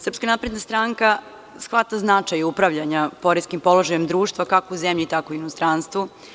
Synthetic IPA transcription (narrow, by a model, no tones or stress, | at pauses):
srpskanapɾed̪nast̪ɾaŋka | sxʋat̪aznat͡ʂajupɾaʋʎaɲapo̞ɾeskimpo̞lˠoʒajemd̪ɾuːʃt̪ʋakakouzemʎit̪akoinost̪ɾanst̪ʋu